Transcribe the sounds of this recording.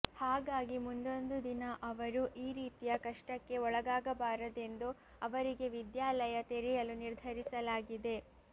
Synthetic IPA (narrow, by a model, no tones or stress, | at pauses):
haːɡaːɡimund̪o̞nd̪ud̪inɐʔɐʋɐɾuʔiːɾiːt̪ijɐkɐʂʈɐkːe̞ɔɭɐɡaːɡɐbaːɾɐd̪e̞nd̪u | ɐʋɐɾiɡe̞ʋid̪jaːlɐjɐt̪eɾɛjɐluniɾd̪ʱɐɾisɐlaːɡid̪e̞